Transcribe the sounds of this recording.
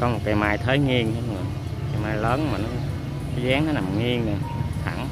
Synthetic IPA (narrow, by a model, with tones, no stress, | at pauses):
kɔ˨˦mo˨˩t̚ka˧jmaː˧jt̪ʰəː˨˦jŋi˧əŋt͡ɕa˨˦ɨ˨˩ | ka˧jmaː˧jləː˨˦nmaː˨˩nɔ˨˦˨ | zɛː˨˦ŋnɔ˨˦na˨˩mŋi˧əŋna˨˩t̪ʰa̰˧˩˦n